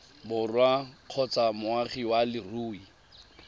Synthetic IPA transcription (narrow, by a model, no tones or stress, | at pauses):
bʊrwaq͡χʰɔt͡samʊaχiwalɪruːi